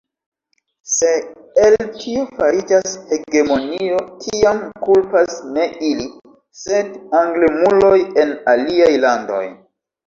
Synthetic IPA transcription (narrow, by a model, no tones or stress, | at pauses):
se̞ | eltʰiofaɾid͡ʒashe̞ɡe̞mo̞nio̞kʰiamkulpasne̞ʔili | se̞daŋɡlemulo̞je̞naliajlando̞̰j